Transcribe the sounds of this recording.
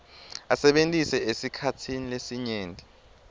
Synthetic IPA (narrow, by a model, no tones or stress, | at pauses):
asɛɓentʼisɛesikʰatʰinilesiɲeːndʱʼi